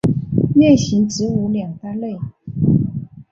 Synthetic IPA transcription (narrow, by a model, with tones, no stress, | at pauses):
ljɛ˥˩nɕi˧˥nʈ͡ʂɻ̩˧˥u˧˥ljɑ˨˩ŋt̪a˥˧le˥˩ɪ